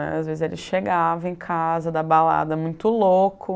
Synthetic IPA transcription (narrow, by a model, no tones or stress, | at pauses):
ɛ̰azvezɪzelɪsʃeɡavɐ̃ẽkʰazɐd̪ɐbala̰d̪ɐmũj̃t̪ʊlokʰʊ